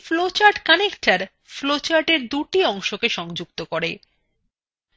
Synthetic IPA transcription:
flot͡ɕaɾʈkanekʈaɾ | flot͡ɕaɾʈeɾd̪uʈiɔŋʃokeʃɔŋd͡ʑuk̚t̪okoɾe

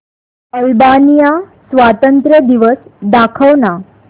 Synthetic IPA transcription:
əlbanija | sʋat̪ənt̪ɾəd̪iʋəsd̪akʰəʋna

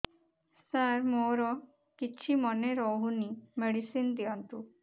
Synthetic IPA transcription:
saɾmoɾɔ | kit͡ʃʰimɔneɾɔɦunimeɽisind̪iɔnt̪u

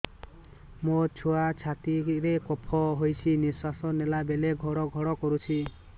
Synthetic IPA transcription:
mot͡ʃʰoat͡ʃʰat̪iɾekɔpʰɔɦojt͡ʃʰiniswasɔnelabeleɡʱɔɽɔɡʱɔɽɔkɔɾut͡ʃʰi

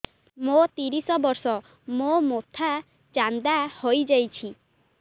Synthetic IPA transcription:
mot̪iɾisɔbɔɾsɔ | momot̪ʰa | t͡ʃand̪ahojd͡ʒajt͡ʃʰi

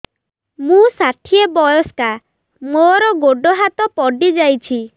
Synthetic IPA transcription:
mũsaʈʰiebɔjɔska | moɾɔɡoɖɔɦat̪ɔpɔɖid͡ʒajt͡ʃʰi

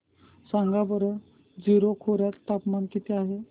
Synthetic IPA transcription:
sãŋɡabəɾə | d͡ziɾokʰoɾjat̪t̪ːapmankit̪eaɦe

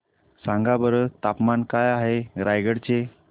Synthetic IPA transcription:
sãŋɡabəɾət̪apmankajaɦeɾajɡəɽt͡ɕe

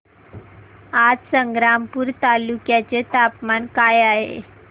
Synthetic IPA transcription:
ad͡zsəŋɡɾampuːɾt̪alukjat͡ɕet̪apmankajaɦḛ

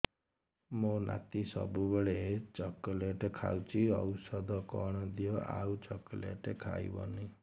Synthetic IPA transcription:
mona̰t̪isʌ̰bubɔɭet͡ʃɔkɔleʈekʰawt͡ʃʰiʌwsɔd̪ʱɔkɔɽ̃ɔd̪ijoa̰ut͡ʃɔkɔlḛʈekʰa̰jbɔ̰ni

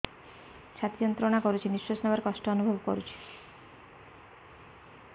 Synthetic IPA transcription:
ʃʰat̪ijɔnt̪ɾonakɔɾut͡ʃʰiniʃosnabaɾkɔʃʈɔɔnubʱɔbɔkɔ̰ɾut͡ʃʰi̥

